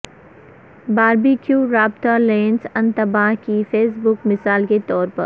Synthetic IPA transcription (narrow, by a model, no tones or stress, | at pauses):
baːɾbikjuːɾaːb̚t̪alẽːnsɐ̃nt̪ɐbaːɦkifeːsbʊkmɪsaːlket̪ɔːɾpɐ̰ɾ